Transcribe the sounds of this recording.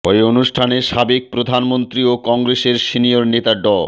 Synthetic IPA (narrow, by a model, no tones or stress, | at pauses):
pɔonuʃʈʰaneʃabek̚pɾod̪ʱanmont̪ɾiokɔŋɡɾeseɾʃinioɾnet̪aɖɔ